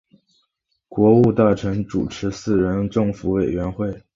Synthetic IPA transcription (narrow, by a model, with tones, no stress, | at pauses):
kwɔ˧˥u˥˧t̪a˥˩ʈ͡ʂʰɤ˧˥ŋʈ͡ʂṵ˨˩ʈ͡ʂʰɻ̩˧˥sɹ̩˥˩ɻə˧˥nʈ͡ʂɤ˥˩ŋfu˧˥we˨˩ɪɥɛ˧˥nxwe˥˩ɪ